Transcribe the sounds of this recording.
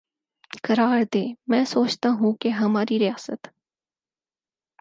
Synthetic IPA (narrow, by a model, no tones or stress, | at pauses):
kɐɾaːɾd̪eːmɛ̃ːsoːt͡ʃt̪aɦũkeɦɐmaːɾiɾijaːsət̪